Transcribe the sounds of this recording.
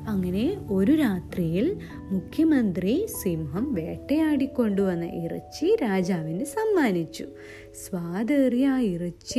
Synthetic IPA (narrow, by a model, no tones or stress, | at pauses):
ɐŋːɐne̞o̞ɾuɾaːt̪rijil | mukʰjɐmɐnd̪risimɦɐmʋe̞ːʈːejaːɽikʲːo̞ɳɖuʋɐnːɐ̰ʔirɐ̰t͡ɕːiɾaːd͡ʑaːʋinɨsɐmːaːnit͡ɕːu | sʋaːd̪ɐrjaːirit͡ɕː